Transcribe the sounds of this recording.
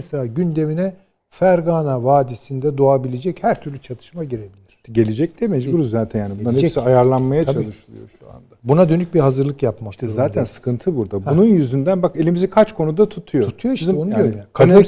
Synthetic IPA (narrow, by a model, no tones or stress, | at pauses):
eselʲaːɟynd̪e̞minɛ | fæɾɡaːnavaːd̪isind̪ɛd̪o̞abilʲed͡ʒɛchæɾt̪ʰyɾlʲyt͡ʃʰat̪ʰɯ̥ʃmaɟiɾe̞bilʲiɾ̥ɟe̞lʲed͡ʒɛc̚d̪emɛd͡ʒibuɾuzzaːt̪ʰɛnjaːnibuahɛd͡ʒɛsiajaɾlˠanmajat͡ʃʰailˠɯʃɯlˠɯjo̰ʃua̰ndd̪abunad̪ønyc̚biɦazɯɾlˠɯkjapmakt̪ɛzaːt̪ʰænsɯ̥kʰɯnt̪ʰɯbuɾd̪abununjyzynd̪ænbake̞lʲimizikʰat͡ʃkʰo̞nud̪at̪ʰut̪ʰujout̪ʰujoiʃizɛbunuɟøɾymjakʰa